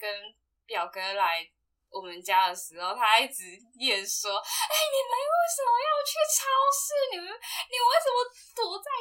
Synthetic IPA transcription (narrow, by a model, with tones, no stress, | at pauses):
kə˦˥n | pjɑ˨˩ʊkɤ˥la˧˦ɪ | wɔ˨˩mə˦nt͡ɕja˥d̪ə˨ʂɻ̩˧˥xo˨˩ʊt̪ʰa˥˧i˥˩ʈ͡ʂɻ̩˧˥ | jɛ˨˩ʂwɔ˥e˥˩ɪni˨˩me˧˥ɪwe˥˩ɪʂə˨˩mə˧˦jɑ˥˧ʊt͡ɕʰy˥˩ʈ͡ʂʰɑ˥ʊʂ̩˥˩ni˨˩mə˧˦nni˨˩we˥˩sə˨˩nmə˧˦ | t̪u˧˥t͡sa˥˩ɪ